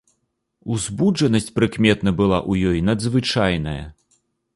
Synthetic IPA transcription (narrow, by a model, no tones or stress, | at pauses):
uzʲbud͡ʐɐnɐsʲt͡sʲpɾɨkmʲɛt̪nɐbɨlˠa̰ʔujɔjnɐd̪zvɨt͡ʂajnɐjɐ̰